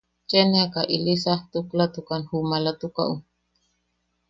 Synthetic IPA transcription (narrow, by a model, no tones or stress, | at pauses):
t͡ʃeneakaʔilisaht̪uklat̪ukanhumalat̪uka̰ʔu